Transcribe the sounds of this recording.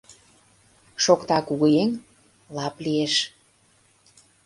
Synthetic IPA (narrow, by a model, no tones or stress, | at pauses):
ʃokt̪ɑkuɣɤjenʲ | lɑplieʃ